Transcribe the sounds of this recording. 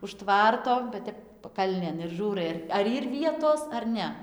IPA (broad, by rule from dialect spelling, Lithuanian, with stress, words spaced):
ʊʃ ˈtʋɐrtoː ʋɐ ˈtʲɛp pɐˈkɐlʲnʲeːn ɪr ˈʒuːrɐɪ ɐr ɐr ˈiːr ˈʋʲiɛtoːs ɐr ˈnʲɛ